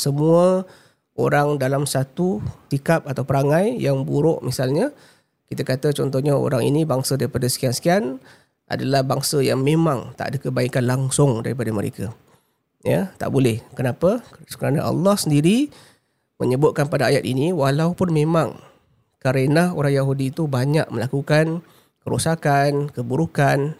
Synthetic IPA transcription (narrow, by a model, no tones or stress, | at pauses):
səmuə | oɾaŋdalamsat̪usikap̚at̪awpəɾaŋajjaŋbuɾʊʔmisalɲa | kit̪akat̪at͡ʃɔnt̪ɔhɲao̰ɾaŋḭnibaŋsadaɾipadasə̥kiansə̥kian | ʔa̰dalahbaŋsajaŋmemaŋt̪a̰ʔdəkəbaikanlaŋsʊŋdaɾip̬adaməɾḛka | jət̪a̰ʔbolɛhkənapasə̥kəɾana̰ʔa̰lːɔhsəndiɾi | mə̰ɲəbʊt̪̚kanpadaajat̪̚iniwalaupʊnmemaŋ | kaɾenahoɾaŋjaɦudiːt̪ubaɲaʔ̚məlakukan | kəɾusakankəbuɾukan